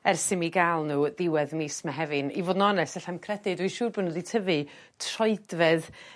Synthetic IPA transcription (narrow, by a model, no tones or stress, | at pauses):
ɛrsɪmiɡalˠnuːðɪwɛðmiːsmaɦɛvɨnḭvoːdnɔnɛsɛɬamkʰrɛdɨdwiʃuːrbʊnəditʰəvɨ | tʰrɔɨdvɛð